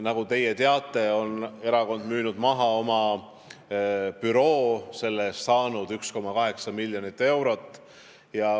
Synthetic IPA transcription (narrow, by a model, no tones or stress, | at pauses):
nɑɡ̥ut̪e̞je̞t̪e̞ɑt̪ːˑe̞o̞ne̞ɾɑko̞nd̪̥myːnud̪̥mɑɦɑo̞mɑ | pyɾo̞ːse̞lːesːɑːnud̪̥yksko̞mːɑkɑɦe̞ksɑmilʲːjo̞nit̪ːˑe̞wɾo̞t̪ːˑ | jɑ